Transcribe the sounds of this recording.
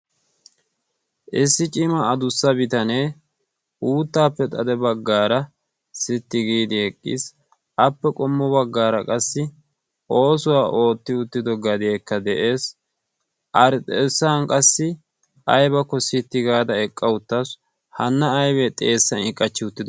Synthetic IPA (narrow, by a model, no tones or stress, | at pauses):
ʔɪsːɪt͡ʃʼɪmɐːd̪ʊsːɐbɪt̪ɐneː | uːt̪ːaːpːɛt̪ʼɐd̪ɛbɐɡːaːɾɐ | sɪt̪ːɪɡiːd̪ɪɛkʼːḭs | ɐpːɛkʼɔmːɔbɐɡːaːɾɐkʼɐsːɪ | ʔo̞ːsʊwaːʔo̞ːt̪ːɪʊt̪ːɪd̪ɔɡɐd̪ɪjɛkːɐd̪ɛʔe̞ːs | ʔɐɾt̪ʼeːsːankʼɐsːɪ | ɐjbɐkːɔsɪt̪ːɪɡaːd̪ɐɛkʼːɐʊt̪ːɐs | hɐnːɐːjβɛt̪ʼeːsːɐnɪkʼːɐt͡ʃːɪʊt̪ːɪd̪